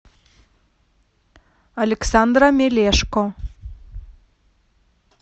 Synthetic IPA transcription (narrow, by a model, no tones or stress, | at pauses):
ɐlʲeksand̪ɾamʲelʲeʃko